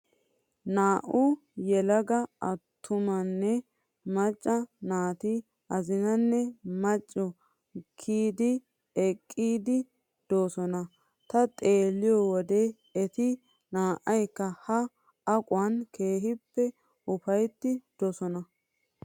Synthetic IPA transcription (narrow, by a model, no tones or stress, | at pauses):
naːʔʊ | jɛlɐɡɐɐt̪ʰːʊmɐnːɛ | mɐt͡ʃʼːɐnaːt̪i | ɐzɪnɐnːɛmɐt͡ʃʼːɔ | kʰiːd̪ɪ | ɛkʼːiːd̪ɪ | d̪̥oːsɔnɐ | t̪ɐt̪ʼe̞ːlːɪjɔwɔd̪e | ɛt̪ɪ | naːʔɐjkːɐhɐ | ɐkʼwɐnke̞ːɦɪpːɛ | ʔʊfɐjt̪ːɪd̪̥ɔsɔnɐ